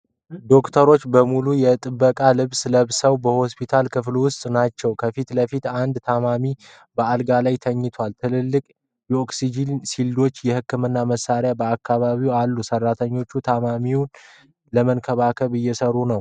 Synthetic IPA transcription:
d̪o̞kt̪ʰəɾo̞t͡ʃːbəmulujɛt̪ʼɨbːəkʼalɨβsləβsəwbəho̞spʰit̪ʰalkʰɨflwʊst̪ʼnat͡ʃːɛwkʰəfit̪ləfit̪and̪t̪ʰamami | bəalɡalajt̪ʰəɲːɪt̪ʰwalt̪ʰɨlɨlːɨkʼ | jɛo̞ksid͡ʒinsild̪o̞t͡ʃːjɛhɨkːɨmɨnːaməsaɾjabəakʰːaβaβiwalːusərːat̪ʰəɲːo̞t͡ʃːut̪ʰamamiwn | ləmənkʰəβakʰəβɨjːɛsərːunəw

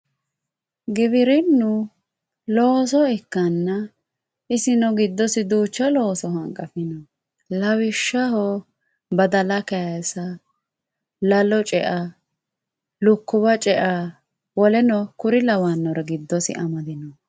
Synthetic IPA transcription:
ɡɪβɪɾɪnːʊ | loːs̬ɔɛkːɐnːɐ | ɪsɪnɔɡɪd̪ːɔsɪd̪uːt͡ʃːɐloːsɔɦɐŋkʼːɐfɪnɔ | lɐwɪʃːɐɦɔ | bɐd̪ɐlɐkɛjɐsɐ | lɐlɔt͡ʃʼɛ̰ʔa | lʊkːʊβɐt͡ʃʼɛʔa | wɔlɛnɔkʊɾɪlɐwanːɔɾɐɡɪd̪ːɔsɪ̰ʔɐmɐd̪ɪnɔ

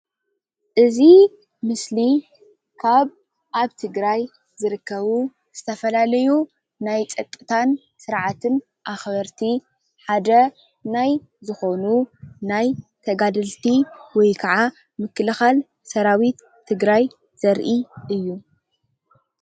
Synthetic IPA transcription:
ʔɨzi | mɨsli | kʰaβ | ʔaβt̪ʰɨɡɾaj | zɨɾɨkʰːɐβu | z̥ɨt̪ʰɐfɐlalɐju | najt͡sʼɐkʼːɨt̪ʰan | sɨɾʕat̪ʰɨn | ʔaxβɐɾt̪ʰi | ħad̪ɐ | naj | zɨxo̞nunajt̪ʰɐɡad̪ɨlt̪ʰiwɔjkʰɐʕa | mɨkːɨlɨxal | sɐɾawit̪ʰːɨɡɾaj | z̥ɐɾʔiʔɨjːu

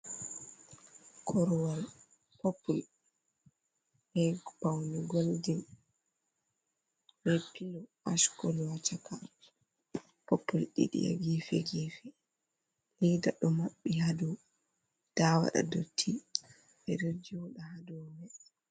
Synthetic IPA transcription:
kʰɔɾwal | popːul | ʔɛbawnɛɡoldin | hepʰːilɔʔaʃkɔlwat͡ʃaka | popːulɗḭɗḭja̰ɡifɛɡifɛ | lidaɗɔmaɓːihadu | d̥awa̰ɗa̰dotʰːi | ʔɛɾid͡ʒɗahadɔmɛ

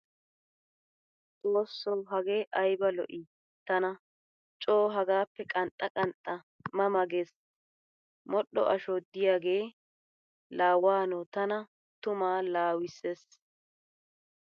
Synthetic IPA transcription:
t͡sʼoːsːɔwɦɐɡeːʔɐjbɐlɔ̰ʔɪ | t̪ɐnɐ | t͡ʃʼoːɦɐɡaːpːɛkʼɐnt̪ʼːɐkʼɐnt̪ʼːɐ | mɐmɐɡes | mɔɗːɔ̰ʔɐʃɔd̪ɪjaːɡe̞ː | laːwaːnɔt̪ɐnɐ | t̪ʊmaːlaːwɪsːe̞ːs

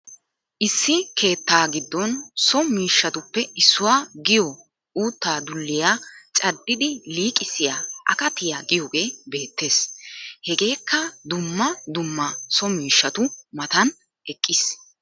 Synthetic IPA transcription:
ʔɪsːɪkʰe̞ːt̪ːaːɡɪd̪ːɔnsɔmiːʃːɐt̪ʊpːɛɪsːʊwaːɡɪjɔ | uːt̪ːaːd̪ʊlːɪjaːt͡ʃʼɐdːɪd̪ɪliːkʼːɪsɪjaːʔɐkɐt̪ɪjaɡɪjɔɡe̞ːbe̞ːt̪ːe̞ːshɛɡe̞ːkːɐd̪ʊmːɐd̪ʊmːɐsɔmiːʃːɐt̪ʊmɐt̪ɐn | ɛkʼːɪs

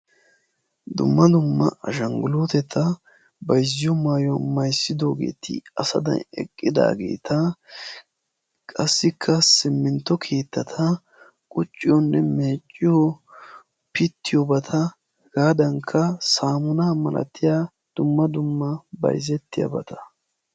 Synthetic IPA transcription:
d̪ʊ̰mːɐd̪ʊmːɐ̰ɐʃɐŋɡʊlot̪ɛt̪ʰɐ | bɐjzːɪjɔmaːjɔmɐjsːɪd̪oːɡe̞̰ːt̪ʰɪ̰ɐsɐ̰d̪ɐ̰nɛ̰kʼːɪd̪a̰ːɡe̞̰ːt̪ʰɐ | kʼɐsːɪkʰːɐsɪmːɪnt̪ːɔkʰe̞ːt̪ːɐt̪ʰɐ | kʼʊt͡ʃʼːɪjɔnːɛme̞ːt͡ʃʼːɪjɔ | pɪt̪ːɪjɔbɐt̪ʰɐ | ɡaːd̪ɐŋkʰːɐsaːmʊnaːmɐlʔɐ̰t̪ːɪjaː | d̪̥ʊmːɐd̪ʊmːɐbɐ̰jzɛt̪ːɪjɐ̰bɐt̪ʰɐ̥

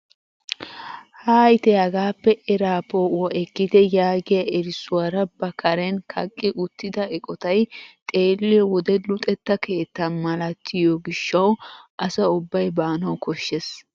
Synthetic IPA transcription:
haːjt̪ɛhɐɡaːpːɛʔɛɾaːpoːwɔʔɛkːɪd̪ɛjaːɡɪjɐʔɛɾɪsʊwɐɾɐbɐkʰɐɾɛnkʰɐ̰kʼːɪʔʊt̪ːɪd̪ɐɛkʼɔt̪ɐjt̪ʼe̞ːlːɪjɔwɔd̪ɛlʊt̪ʼɛt̪ːɐke̞ːt̪ːɐnmɐlɐt̪ʰːɪjɔɡɪʃːɐwʔɐsɐʊbːɐjbaːnɐwkʰɔʃːes

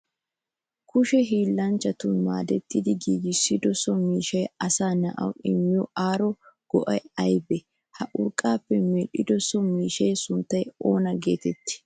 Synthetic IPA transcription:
kʊʃɛɦiːlːɐnt͡ʃːɐt̪ʊnma̰ːd̪ɛt̪ːɪd̪ɪɡiːɡɪsːɪd̪ɔsɔmiːʃɐjɐsaːnɐ̰ʔɐ̰wɪmːɪjɔaːɾɔɡ̥ɔʔɐ̰jɐjbɛ | hɐʔʊɾkʼaːpːɛmɛɗːɪd̪ɔsːɔmiːʃɐjsʊnt̪ːɐjoːnɐɡe̞̰ːt̪ɛt̪ːɪ̥

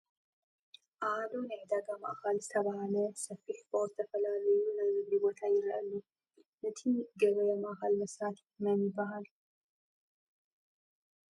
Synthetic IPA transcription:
ʔad̪onəʕd̪aɡama̰ʔkʰalzɨt̪ʰəβahaləsɐfːiħbowzt̪ʰəfəlaləjunəzɨmibot̪ʰajɪɾəʔɐlːu | nɨt̪ʰiɡəβɐjɛmaʔkʰalməsɾat̪ | məmːibːaɦal

